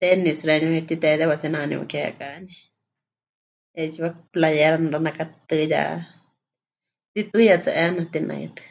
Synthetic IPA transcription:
t̪enisɾenet̪it̪ed̪ɛwat͡sinãnḭ̃wa̰kɛkani | ed͡ʒiwaplajeɾanɾanakat̪ɨja̰ | t̪it̪ujat͡saʔɛnat̪inã̰ḭt̪ɨ̥

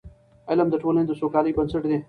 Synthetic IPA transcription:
ɐlɐmd̪əʈʰoːlẽnt̪osoːkaːliːbɐnsəʈd̪ẽː

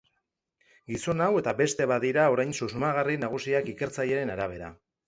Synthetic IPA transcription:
ɡiso̞nawe̞t̪abe̞st̪e̞βaðiɾao̞ɾajnsusumaɣ̞arinaɣ̞usiakike̞ɾt͡saje̞ɾe̞naɾaβ̞e̞ɾa̰

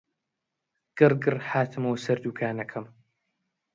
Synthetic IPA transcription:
ɡ̥ɨɾɡɨɾħaːt̪ʰɨmɐwsɐɾd̪uːkʰaːnɐkʰɐm

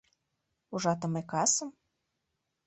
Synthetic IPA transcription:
uʒɑt̪ə̆mekɑsə̆m

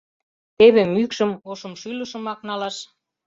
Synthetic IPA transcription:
t̪eβemykʃə̆moʃə̆mʃyləʃə̆mɑknɑlɑʃ

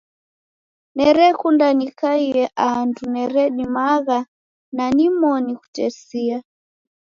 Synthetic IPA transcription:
nɛɾɛkundanikaiɛʔandunɛɾɛɗimaɣa | nanimɔniku̥tɛsia

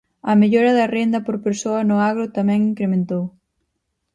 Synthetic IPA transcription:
ɐmeʎoɾɐðɐrend̪ɐpoɾpeɾsoɐnʊaɣɾʊt̪amɛ̃ŋiŋkɾemẽnt̪ow

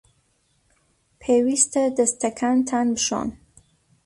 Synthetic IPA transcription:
pʰewist̪əd̪əst̪ʰakʰant̪ʰanbəʃɔ̰n

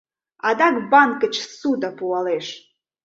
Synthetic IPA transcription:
ad̪akbankʼət͡ʃʰsud̪apuwaleʂ

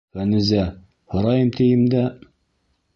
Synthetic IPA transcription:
vænɘ̆zæ | hŏɾɑjɤmt̪ijɘ̆md̪æ

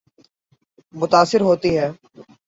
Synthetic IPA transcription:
mʊt̪aːsɪɾɦoːt̪iɦɛː

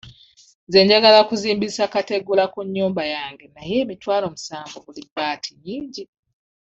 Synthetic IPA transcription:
ze̞ɲɟaɡalakuziːmbisakateɡulakuɲːuːmbajaːŋɡe̞naje̞ːmitwaːlo̞musaːŋɡo̞βulibaːtʰiɲiːɲɟi

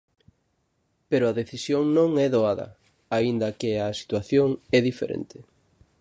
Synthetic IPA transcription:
peɾʊɐðeθisjoŋnõŋɛðoaðɐ̰ | aind̪ɐkɪɐsi̥t̪waθjoŋɛðifḛɾʔḛnt̪ɪ

